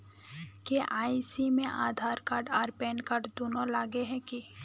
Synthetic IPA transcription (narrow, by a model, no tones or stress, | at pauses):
keʔaːisimẽʔaːd̪ʱaːɾkaːɖaːɾpɛːnkaːɾʈd̪oːnolaːɡeɦɛ̃ki